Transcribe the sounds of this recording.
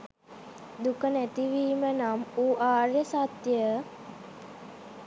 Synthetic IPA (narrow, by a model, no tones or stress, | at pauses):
d̪ukənæt̪iʋiːmənamuːʔaːrjəsat̪jə